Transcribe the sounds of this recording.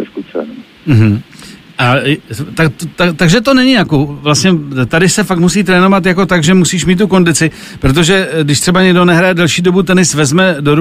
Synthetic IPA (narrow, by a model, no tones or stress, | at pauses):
skut͡sɛ̰n | m̩ɦm̩ʔat̪akt̪ot̪at̪aɡʒɛt̪o̞nɛɲɪjakovlastɲɛt̪adɪsɛfakt̪musiːt̪ɾɛːno̞vat̪jako̞t̪aɡʒɛmusiːʃmiːt̪t̪ːuko̞ndɪt͡sɪ | pɾo̞t̪̬o̞ʒɛdɪʃt̪r̥ɛbaɲɛɡdo̞nɛɦɾajɛdɛlʃiːdo̞but̪ɛnɪsvɛzmɛdoɾ